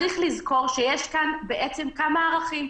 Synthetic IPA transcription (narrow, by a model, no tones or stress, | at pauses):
ʁiχlizko̞ʁʃejeʃkanbe̞ʔet͡se̞mkamaːʁaχim